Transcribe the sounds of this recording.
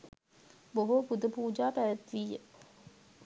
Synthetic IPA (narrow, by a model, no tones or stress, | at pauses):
boɦopud̪əpuːd͡ʒaːpæʋæt̪ʋijːə